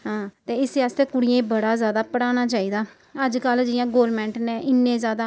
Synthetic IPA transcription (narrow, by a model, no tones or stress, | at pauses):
ɦãːt̪eːɪseaːst̪eːkʊɽɪẽːbəɽaːzjaːd̪aːpəɽaːnaːt͡ʃaːiːd̪aː | əd͡ʒkəld͡ʒɪjãːɡoːɾmɛ̃ːɳʈnẽːʔɪnːẽːzjaːd̪aː